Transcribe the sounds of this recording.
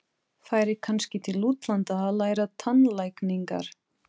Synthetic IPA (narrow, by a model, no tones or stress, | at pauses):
faːjɾɪkʰanscɪt̪ʰɪluːt̪lant̪aːðlaːjɾat̪ʰanlajkniŋka̰ɾ̥